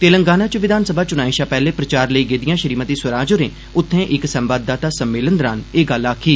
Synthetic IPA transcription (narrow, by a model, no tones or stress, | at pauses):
t̪eːləŋɡaːnãːt͡ʃəʋɪd̪ʱaːnsəbʱaːt͡ʃʊnaːiʃaːpɛːleːpɾət͡ʃaːɾləiːɡeːd̪ɪjãːʃəɾiːmət̪iːsʋəɾaːd͡ʒoɾẽː | ʊt̪ʰːẽːʔɪksəmbaːd̪̚ːaːt̪aːsəmːeːlənd̪ɾaːneːɡəlaːkʰiː